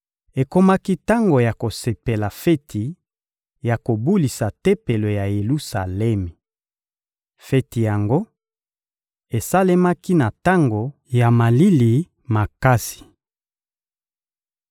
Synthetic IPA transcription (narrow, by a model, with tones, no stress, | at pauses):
e˨ko˦ma˦ki˦ta˦ŋɡo˨ja˨ko˨se˨pe˨la˨fɛ˦tʰi˨ | ja˨ko˨bu˦li˨sa˨te˦pe˨lo˨ja˨je˨lu˦sa˨lɛ˦mi˨ | fɛ˦ti˨ja˨ŋɡo˦ | e˨sa˦le˦ma˦ki˦na˨ta˦ŋɡo˨ | ja˨ma˨li˦li˨ | ma˨ka˦si̥˨